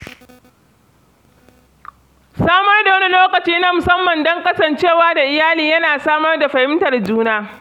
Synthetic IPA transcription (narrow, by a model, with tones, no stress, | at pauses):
saː˦mɐ˦rda˨wɐ˦ni˦loː˦kɐ˨t͡ʃiː˦na˦mʊ˨sɐ˦mːɐ˨ndɐ˦ŋkʼɐ˦sɐ˨nt͡ʃeː˦˨waː˦da˨ʔɪ˨jaː˦liː˨jɐ˦naː˨saː˦mɐ˦rda˨ɸɐ˨hɪ˦mtɐ˨rd͡ʒuː˦naː˦